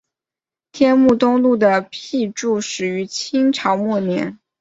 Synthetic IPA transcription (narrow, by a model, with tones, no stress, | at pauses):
t̪ʰjɛ˥nmu˥˩t̪ʊ˥ŋlu˥˩d̪ə˩pʰi˥˧ʈ͡ʂu˥˩ʂɻ̩˨˩y˧˥t͡ɕʰi˥ŋʈ͡ʂʰɑ˧˥ʊmwɔ˥˩njɛ̰˧˥n